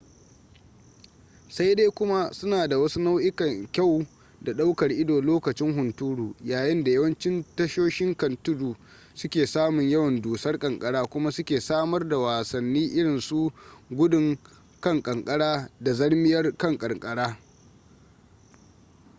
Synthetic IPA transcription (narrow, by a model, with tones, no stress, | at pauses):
sa˦jde˦kʷʊ˦ma˦sʊ˦naː˨da˨wɐ˦su˦na˦wʔɪ˦kɐ˨ŋkʲa˦˨w | da˨ɗa˦wkɐ˨rʔɪ˦doː˨loː˦kɐ˨t͡ʃɪ˦ŋɦʊ˨ntuː˦ɽuː˨jaː˨jɪ˦nda˨jɐ˦wɐ˦nt͡ʃɪ˦ntɐ˦ʃoː˦ʃɪ˦ŋkɐ˨ntʊ˦duː˨ | sʊ˦kʲeː˨saː˦mʊ˨ɲjɐ˦wɐ˨nduː˨sɐ˦rkʼɐ˨ŋkʼɐ˦ɽaː˦kʷʊ˦ma˦sʊ˦kʲeː˨saː˦mɐ˦rda˨waː˨sɐ˨nːiː˦ʔɪ˦ɽɪ˨nsu˦ɡʷʊ˦dʊ˨ŋ | kɐ˦ŋkʼɐ˨ŋkʼɐ˦ɽaː˦da˨zɐ˦ɽmɪ˦jɐ˦rkɐ˦˨ŋkʼɐ˨rkʼɐ˦ɽaː˦